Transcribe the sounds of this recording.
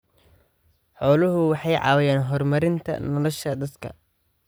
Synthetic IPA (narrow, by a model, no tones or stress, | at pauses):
ħɔːlʊɦʊwɑħɑjʕɑ̰ːwɪjaːnɦɔrmɐɾɪnt̪ʰɐ̰nɔlɔʃɐd̪ɐd̪kʰɐ̰